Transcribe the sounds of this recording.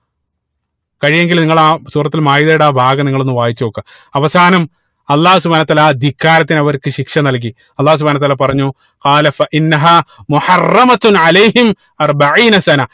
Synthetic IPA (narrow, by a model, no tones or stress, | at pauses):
kɐɻijeŋɡilniŋːɐɭaːsuːrɐt̪ːilmaːjiðɐjuɽaːbʱaːɣɐniŋːɐɭo̞nːɨʋaːjit͡ɕːɐʋokːɐ | ɐʋɐsaːnɐm | ɐlˠːaːhus̬ubʱaːnɐt̪ːaːlad̪ʱikːaːɾɐt̪ːinɐʋɐɾkɨɕikʂɐnɐlk̬i | ɐlˠːaːhus̬ubʱaːnɐt̪ːaːlapɐrɐɲːu | qɑːlɐfɐʔinːɐɦaːmuħɐrːɐmɐt̪nʕalɐjhim | ɐrbɐʕiːnɐsɐnɐ